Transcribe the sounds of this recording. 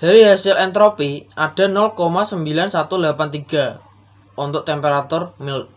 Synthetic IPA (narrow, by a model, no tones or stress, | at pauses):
d̥a̤ɾiɦasɪlɛnt̪ɾopiʔaɖ̥a̤nɔlkomasəmbilansat̪ulapant̪iɡ̥a̤ | ɔnt̪ɔʔt̪ɛmpeɾat̪ʊrmɪlt̪̚